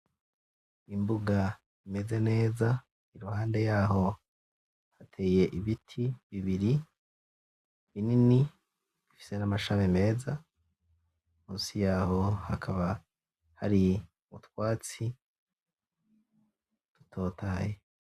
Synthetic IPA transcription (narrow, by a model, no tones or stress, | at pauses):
imbuɡa | ime̞ze̞ne̞ːza | iɾuhaːnde̞jaːɦo̞ | hatʰe̞je̞ʔiβitʰiβiβiɾi | βinini | βifi̥senamaʃamime̞ːza | muːsijaːho̞hakʰaβa | haɾi | uβutwaːt͡si | tu̥tʰo̞ːtaaje